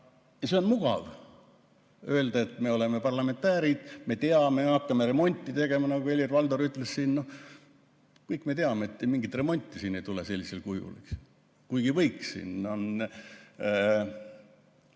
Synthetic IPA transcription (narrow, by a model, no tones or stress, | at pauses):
jɑse̞o̞nmuɡ̥ɑ̰v | ø̞eld̪ɑe̞t̪ːme̞o̞le̞me̞pɑrlɑme̞nt̪ːæːɾid̪̥me̞t̪e̞ɑme̞ɑkːɑme̞ɾe̞mo̞nʲt̪ʲːˑit̪e̞ɡ̥e̞mɑnɑɡue̞lʲirvɑld̪oɾyt̪ːˑlessiːnno̞ | kɤjkːˑme̞t̪eɑmeːt̪ːemiŋɡit̪re̞mo̞nʲt̪ˑːisiːne̞jt̪ulese̞lʲːise̞lkujṵlḭks | kujɡ̥ivɤjksḭːnon